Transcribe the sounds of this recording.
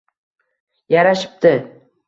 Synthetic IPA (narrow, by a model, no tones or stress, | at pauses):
jaɾaʃɪ̥p̚t̪ɪ